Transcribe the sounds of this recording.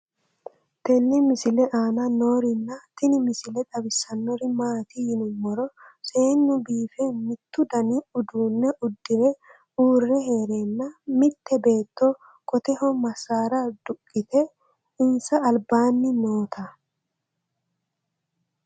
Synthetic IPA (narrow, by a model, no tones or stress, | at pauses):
t̪ɛnːɪmɪsɪlɛʔaːnɐno̞ːɾɪnːɐt̪ɪnɪmɪsɪlɛt̪ʼɐbɪsːɐnːɔɾɪmaːt̪ɪjɪnʊmːɔɾɔse̞ːnːʊbiːfɛmɪt̪ːʊd̪ɐnɪʊd̪uːnːɛʔʊd̪ːɪɾɛ | uːrːɛɦe̞ːɾenːɐmɪt̪ːɛbe̞ːt̪ːɔ | kʼɔt̪ɛhɔmɐsːaːɾɐd̪̥ʊkʼːɪt̪ɛ | ɪnsɐːlbaːnːɪno̞ːt̪ʰɐ